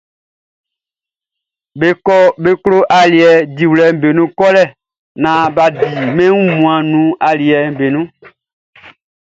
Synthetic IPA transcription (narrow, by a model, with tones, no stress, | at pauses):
be˦kɔ˦be˦klo˦ʔa˨li˨ɛ˨di˨wlɛ˨m̩˨be˨nũ˦kɔ˦lɛ˦˨ | nã˨ba˨di˨mɛ̃˦wũ˦mũ˨ã˨nũ˨˦a˨li˨ɛ˨m̩˨be˨nũ˦